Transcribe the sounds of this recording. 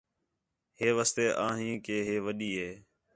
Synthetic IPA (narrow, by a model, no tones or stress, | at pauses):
ɦeːʋaːst̪eːʔãːɦĩːkeːɦeːʋəɗiːɦeː